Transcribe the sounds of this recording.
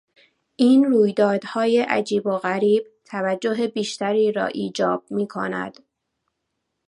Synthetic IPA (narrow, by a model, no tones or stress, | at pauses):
ʔiːnruːjd̪ɒːd̪̥hɒːjeʔæ̰d͡ʒiːboɣæɾiːb̥̚t̪ʰævæd͡ʒːoɦe̞biːʃt̪æɾiːɾɒ̰ːʔiːd͡ʒɒːb̥̚miːkʰo̰næ̰d̪̥